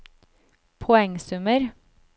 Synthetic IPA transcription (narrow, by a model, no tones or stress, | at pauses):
pʰɔɛŋsʉməɾ